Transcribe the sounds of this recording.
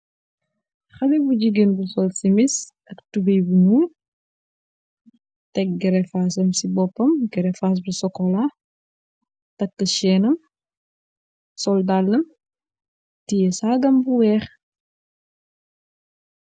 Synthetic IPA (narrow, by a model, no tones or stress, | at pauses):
xɐlibud͡ʒiɡenbusɔlsimis | ʔɐktubɐjbunuːl | tɛk̚ɡɛɾɛfaːsɐmsibɔpːɐmɡɛɾɛfaːs̬busɔkɔla | tɐkːɐʃɛːnɐm | sɔldalːɐm | tijɛsaːɡɐmbuwɛːx